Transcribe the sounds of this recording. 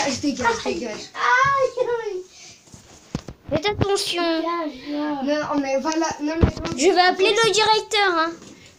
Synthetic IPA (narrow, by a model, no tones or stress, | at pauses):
aʒt̪ekaekaʒ | fɛt̪at̪ɑ̃sjɔ̃aanɔ̃ɔ̃nɛvwalanɔ̃mɛ̃ʒəvøapleləd̪iʁɛk̚t̪œʁɛ̃